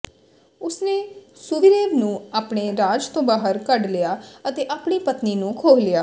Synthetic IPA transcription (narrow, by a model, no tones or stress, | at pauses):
ʊsneːsʊʋɪɾeːʋnũːaːpɳeːɾaːd͡ʒt̪õːbaːɦəɾkəɖlɪjaːət̪eːʔaːpɳiːpət̪niːnũːkʰoːlɪjaː